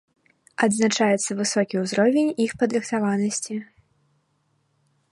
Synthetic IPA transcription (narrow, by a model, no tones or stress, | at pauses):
ɐd̪znat͡ʂajɛt̪sːɐvɨsɔkʲiwzɾɔvʲenʲixpɐd̪ɾɨxt̪avanɐsʲt͡sʲi